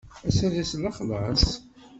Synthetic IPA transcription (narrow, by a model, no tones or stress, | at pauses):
æsæðæslɑχlɑs